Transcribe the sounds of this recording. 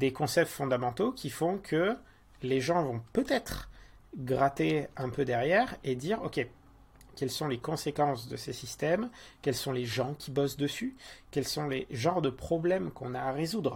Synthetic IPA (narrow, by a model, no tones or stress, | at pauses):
d̪ekɔ̃sɛp̚t̪fɔ̃d̪amɑ̃t̪okʲifɔ̃kʰə | leʒɑ̃vɔ̃pøt̪ɛt̪χ | ɡʁat̪eɛ̃pød̪ɛʁjɛʁed̪iʁɔkʲe | kʲɛlsɔ̃lekɔ̃sekɑ̃sd̪əsesist̪ɛmkʲɛlsɔ̃leʒɑ̃kʲibɔsd̪əsykʲɛlsɔ̃leʒɑ̃ʁd̪əpχɔblɛmkɔ̃naːʁezud̪ʁ